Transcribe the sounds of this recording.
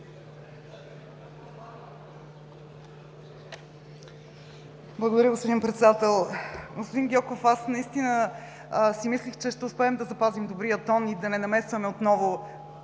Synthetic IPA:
blˠəɡod̪ɐɾʲjəɡospod̪inpɾɛt̪sɛd̪at̪ɛlˠɡospod̪inɡʲɔkofasnɐist̪inə | simislixt͡ʃɛʃt̪ɛʊspɛːmd̪ɐzɐpazimd̪obɾijət̪ɔnid̪ɐnɛnɐmɛst̪vɐmɛot̪nɔvo

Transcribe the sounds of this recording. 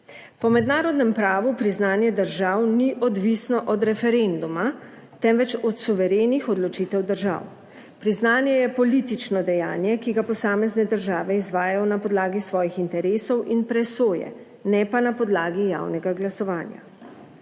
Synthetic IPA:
pɔmɛd̪naːɾɔd̪nɛmpɾaːʋupɾiznaːnjɛd̪əɾʒaːwniʔɔd̪ʋisnɔʔɔd̪ɾɛfɛɾend̪uma | t̪ɛmʋɛt͡ʃɔt̪suʋɛɾeːnixɔd̪lɔt͡ʃiːt̪ɛwd̪əɾʒa̰w | pɾiznaːnjɛjɛpɔlit̪it͡ʃnɔd̪ɛjaːnjɛkiɡapɔsaːmɛznɛd̪əɾʒaːʋɛizʋaːjajɔnapɔd̪laːɡisʋɔːjixint̪ɛɾeːsɔwʔinpɾɛsoːjɛ̰ | nɛpanapɔd̪laːɡija̰wnɛɡaɡlasɔʋaːnja̰

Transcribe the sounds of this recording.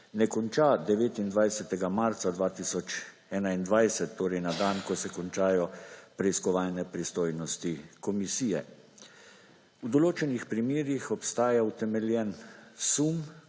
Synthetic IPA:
nɛkɔnt͡ʃaːd̪ɛʋeːt̪ind̪ʋajsɛt̪ɛɡamaɾt̪sad̪ʋaːt̪isɔt͡ʃ | ɛːnaind̪ʋajsɛt̪ːoːɾɛjnad̪ankɔsɛkɔnt͡ʃaːjɔpɾɛiskɔʋaːlnɛpɾist̪oːjnɔst̪ikɔmisiːjɛ | ud̪ɔloːt͡ʃɛnixpɾimeːɾixɔpst̪aːjaut̪ɛmɛljɛnsum

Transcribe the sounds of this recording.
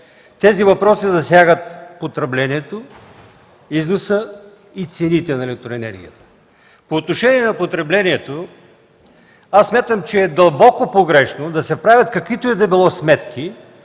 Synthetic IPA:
t̪ɛzivɐpɾɔsizɐsʲjaɡət̪pot̪ɾɛblɛniɛt̪o | iznosə | it̪sɛnit̪ɛnɐɛlɛk̚t̪ɾoɛnɛ̰ɾɡʲḭjət̪ə̥ | poːt̪noʃɛniɛnɐpot̪ɾɛblɛniɛt̪o | asːmʲjat̪əmt͡ʃɛːd̪ɐlˠbɔkopoɡɾɛʃnod̪ɐsɛpɾavʲjɐt̪kɐkvit̪oɛd̪ɐbilˠɔsmɛt̪kʰi

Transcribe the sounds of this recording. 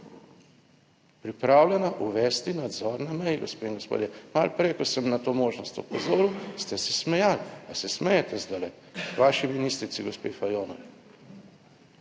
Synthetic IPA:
pɾipɾaːwlʲɛnaʔuʋɛst̪inad̪zɔːɾnamɛjɡospeːiŋɡospo̰ːd̪jɛmalpɾejkosɛmnat̪omoːʒnɔst̪ɔ̰pɔzoːɾuwst̪ɛsɛsmɛjalasɛsmɛjɛt̪ɛzd̪alɛ | ʋaːʃiminist̪ɾit̪siɡospeːfajoːnɔʋi

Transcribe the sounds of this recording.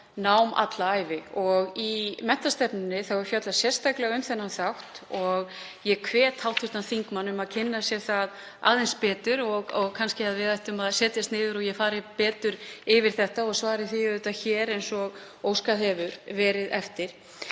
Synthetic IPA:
nawma̰t̪laaːjvɪɔɣimɛn̥t̪ast̪ɛpnɪnːɪθawɛɾ̥fjat̪lasjɛr̥st̪aklɛɣʏmθɛnːanθawht̪ɔɣ | jɛkʰvɛːt̪hawlt̪fɪht̪anθiŋkmanːʏmaðcʰɪnːasjɛθað | a̰ːðenspɛːt̪ʏɾɔɣɔɣkʰanscɪaðvɪðajht̪ʏmaðsɛːt̪jast̪nɪːðʏɾɔɣjɛfaːɾɪpɛːt̪ʏɾɪvɪɾ̥θɛht̪aɔɣsvaːɾɪθiʏt̪açɛːɾejnsɔɣ | oːwskaðɛvʏɾvɛːɾɪðɛft̪ɪɾ̥

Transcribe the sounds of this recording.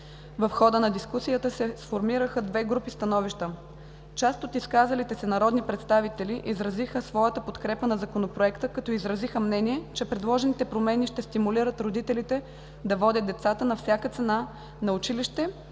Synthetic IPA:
vəfxɔd̪ənɐd̪iskusijət̪əsɛsfoɾmiɾəxəd̪vɛɡɾupist̪ɐnɔviʃt̪ə | t͡ʃast̪ot̪iskazəlit̪ɛsɛnɐɾɔd̪nipɾɛt̪st̪avit̪ɛliʔizɾɐzixəsvɔjət̪əpot̪kɾɛpənɐzɐkonopɾoɛkt̪əkɐt̪ɔizɾɐzixəmnɛniɛt͡ʃɛpɾɛd̪lˠɔʒɛnit̪ɛpɾomɛniʃt̪ɛst̪imuliɾət̪ɾod̪it̪ɛlit̪ɛ | d̪ɐvɔd̪ʲəd̪ɛt̪sat̪ənɐfsʲjakət̪sɛna | nɐʊt͡ʃiliʃt̪ɛ

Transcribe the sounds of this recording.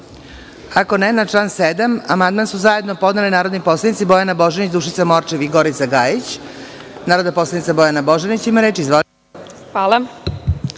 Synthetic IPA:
ako̞nenat͡ʃlˠaːnsed̪amamand̪mansuzajed̪no̞po̞d̪nelinaːɾod̪niposlˠanit̪ibo̞janabo̞ʒenit͡ɕd̪uʃ̬it̪samo̞ɾt͡ʃiʋiɡo̞ɾit̪saɡaːjit͡ɕ | naːɾo̞d̪naposlˠanit̪sabo̞janabo̞ʒenit͡ɕimaɾeːt͡ʃiizʋo | xʋaːlˠa

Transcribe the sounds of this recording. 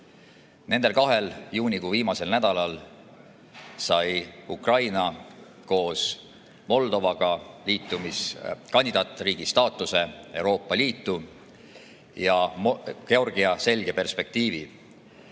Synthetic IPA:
ne̞nd̪elkɑɦe̞ljuːnʲikuviːmɑse̞lnæd̪̥ɑlɑl | sɑjukrɑjnɑ | ko̞ːs | mo̞ld̪̥o̞vɑɡ̥ɑliːt̪ːumiskɑnʲd̪id̪ɑːt̪ːˑriːɡ̥ist̪ɑːt̪ːˑuse̞e̞wɾo̞ːpːˑɑliːt̪ˑːu | jɑke̞o̞rɡ̥iɑse̞lʲɡe̞pe̞rspe̞k̚t̪iːvi

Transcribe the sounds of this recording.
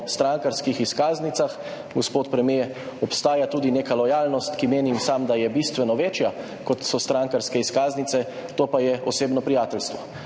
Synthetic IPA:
st̪ɾaŋkaɾskixiskaːznit̪sax | ɡospoːt̪pɾɛmje | ɔpst̪aːjat̪uːd̪ineːkalɔjaːlnɔst̪kimeːnimsamd̪ajɛbist̪ʋɛnɔʋeːt͡ʃja | kɔt̪sɔst̪ɾaŋkaɾskɛiskaːznit̪sɛ | t̪oːpajɛɔseːbnɔpɾijaːt̪ɛlst̪ʋɔ

